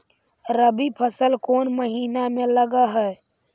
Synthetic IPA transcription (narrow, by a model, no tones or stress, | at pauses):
ɾəbipʰəsəlkoːnməɦiːnamẽləɡaɦɛ